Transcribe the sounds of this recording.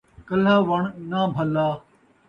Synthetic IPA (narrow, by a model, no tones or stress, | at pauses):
kəl̤aːʋəɳnaːbʱəlaː